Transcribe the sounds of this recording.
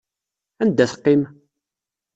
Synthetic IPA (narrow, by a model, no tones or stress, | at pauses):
ænd̪æθqːɪm